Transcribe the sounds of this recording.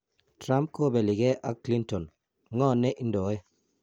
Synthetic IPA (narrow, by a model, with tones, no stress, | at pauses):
tɾa˦mp̚ko˦bɛ˨li˨ɡɛ˦ʔa˨kli˦ntɔ˨n | ŋɔ˦˨nɛ˦ʔi˦ndɔ˨˦ɛ˦